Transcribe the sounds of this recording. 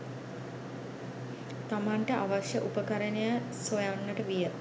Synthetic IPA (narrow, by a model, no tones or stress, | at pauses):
t̪amaɳʈəʔaʋaʃjəʔupəkəɾənejasʋojanːəʈəʋijə